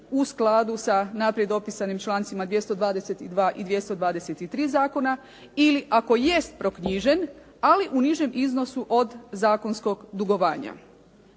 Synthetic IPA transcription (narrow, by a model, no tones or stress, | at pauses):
usklˠad̪usanapɾjed̪o̞pisanimt͡ʃlˠaːnt̪simad̪ʋje̞st̪od̪ʋaːd̪eset̪id̪ʋaːʔid̪ʋje̞st̪o̞d̪ʋaːd̪eset̪it̪ɾiːzaːko̞na | iliʔako̞je̞st̪̚pɾo̞kɲiʒe̞n | aliʔuniʒe̞mʔizno̞suʔo̞d̪zaːko̞nsko̞ɡd̪uɡo̞ʋaːɲa̰